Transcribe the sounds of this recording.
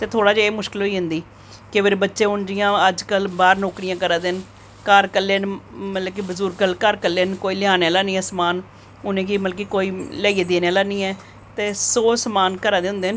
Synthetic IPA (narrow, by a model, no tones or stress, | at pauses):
t̪eːt̪ʰoːɽaːd͡ʒaeːmʊʃkɪlɦoːiːɦʊ̃nd̪iː | kɪpʰɪɾbətːʃeːʊnd͡ʒɪjãːəd͡ʒkəlbaːɾnoːkɽɪjãːkəɾaːd̪en | kəɾkəlːeːnmət̪ləb̚kibəzuːɾkəlkəɾkəlːeːnkoːiːlɪaːnelaːniːɛːsəmaːn | ʊnẽːkiːməlkiːkoːiːləːieːd̪eːneːlaːniːɛː | t̪eːsoːsəmaːnkəɾãːd̪eːʊ̃nd̪eːn